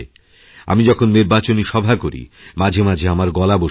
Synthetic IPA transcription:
a̰mid͡ʑɔkʰonːiɾbat͡ɕoniʃɔbʱakoɾḭmad͡ʑʱemad͡ʑʱeamaɾɡɔlabo

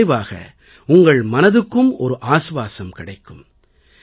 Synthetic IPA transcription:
ɪʋaːɣɐ̰ | ʊŋɡɐɭmɐnɐðɯkːɯmɔɾɯʔaːsʋaːsɐmkɪɽɐɪkːɯm

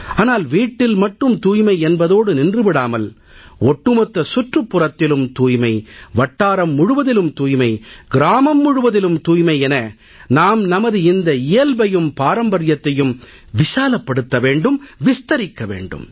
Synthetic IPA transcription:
aːnaːlʋiːʈːɪlmɐʈːɯmt̪uːjmɐɪɛnbɐðoːɽɯnɪndrɯʋɪɽaːmɐl | ɔʈːɯmɐt̪ːɐsʊʈrɯpːʊrɐt̪ːɪlɯmt̪uːjmɐɪʋɐʈːaːɾɐmːʊɻʊʋɐðɪlɯmt̪uːjmɐɪɡɪɾaːmɐmːʊɻʊʋɐðɪlɯmt̪uːjmɐɪɛnɐ | naːmnɐmɐðɯɪnd̪ɐɪjɐlbɐjɯmpaːɾɐmbɐɾjɐt̪ːɐjɯm | ʋɪsaːlɐpːɐɽɯt̪ːɐʋeːɳɖɯmʋɪst̪ɐɾɪkːɐʋḛːɳɖɯ̰m

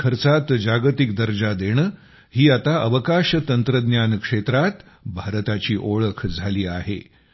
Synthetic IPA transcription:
kʰəɾt͡sat̪d͡ʑaɡt̪ikd̪əɾd͡ʑad̪eɽ̃ | hiːat̪aʔəʋəkaɕt̪ənt̪ɾəd̪njankʂet̪ɾat̪ | bʱaɾt̪at͡ɕiːʔoɭəkʰd͡zʱaliːaɦḛ

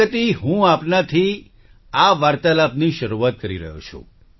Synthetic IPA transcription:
ət̪iɦũapnat̪ʰi | aʋaɾt̪alapniʃəɾuʋat̪̚kəɾḭɾə̰ɦo̰t͡ʃʰṵ̃

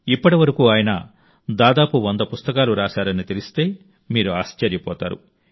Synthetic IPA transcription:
ipːɐʈiʋɐɾɐkuːaːjɐnɐ̰ | d̪aːd̪aːpuʋɐnd̪ɐpust̪ɐkaːluɾaːsaːɾɐnit̪elist̪e̞ː | miːɾuaːst͡ʃɐɾjɐpɔ̰ːt̪a̰ːɾṵ

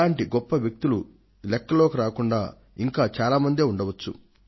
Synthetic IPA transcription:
aːɳʈiɡɔpːɐʋjɐk̚t̪ulu | lɛkːɐloːkiɾaːkuɳɖaː | iŋkaːt͡ʃaːlaːmɐnd̪eːuɳɖɐʋɐt͡ʃːṵ

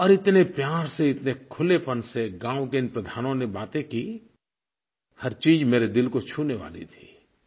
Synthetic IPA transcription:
ɔːɾɪt̪nepjaːɾseɪt̪nekʰʊlepənseɡãːʊkenpɾəd̪ʱaːnõnebaːt̪ẽkiː | həɾt͡ʃiːd͡ʒmeːɾed̪ɪlkot͡ʃʰuːneʋa̰ːlḭt̪ʰi̥ː

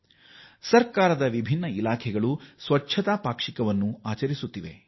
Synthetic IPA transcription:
sɐɾkaːɾɐd̪ɐʋibʱinːɐilaːkʰɛɡɐɭusʋɐtːʃʰɐt̪aːpaːkʂikɐʋɐnːuaːt͡ʃɐɾisut̪ːiʋe̞̰

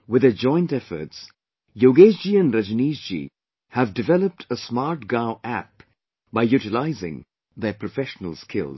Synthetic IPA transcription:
wɪðəd͡ʒɔ̃ɪ̃ntɛfə̰˞ts | joːɡeːzd͡ʒiɨ̃nɾəd͡ʒəniːzd͡ʒḭ | hævdɨvɛləp̚ʈʰəsmɑɾʈ̚ɡaʊʔæp̚ | baɪjuʈɪlaɪzɪ̰̃ŋ | ðəpʰɾɔfɛʃənə̰lˠskʰɪ̰l

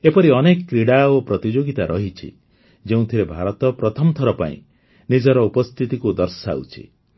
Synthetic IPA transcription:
epɔɾiɔnekɔkɾiɽaopɾɔt̪id͡ʒoɡit̪aɾʔɔɦit͡ʃʰḭ | d͡ʒeũt̪ʰiɾebʱaɾɔt̪ɔpɾɔt̪ʰɔmɔt̪ʰɔɾɔpa̰ḭ̃ | nid͡ʒɔɾɔupɔst̪ʰit̪ikud̪ɔɾsaut͡ʃʰḭ

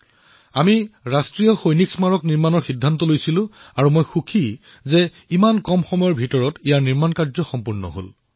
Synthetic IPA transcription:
amiɹastɹijɔxojniksmaɹɔkniɹmanɔɹxidʱːantɔlojsilʊ̃aɹumojxukʰi | zɛ | imankɔmxɔmɔjɔɹbʱitɔɹɔtijaɹniɹmankaɹzɔxɔmpuɹnɔ̰ɦo̰l

